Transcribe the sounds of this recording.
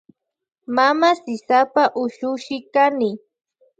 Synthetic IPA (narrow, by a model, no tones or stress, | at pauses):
mamasɪsapaʔʊʃʊʃɪkanɪ